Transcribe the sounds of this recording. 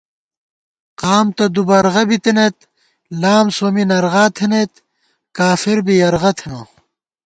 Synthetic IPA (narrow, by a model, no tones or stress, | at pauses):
qaːmt̪ɐd̪ubɐɾʁɐbit̪enet̪ | laːmsoːminɐɾʁaːt̪ʰenet̪ | kaːfiɾbijɐɾʁɐt̪ʰeno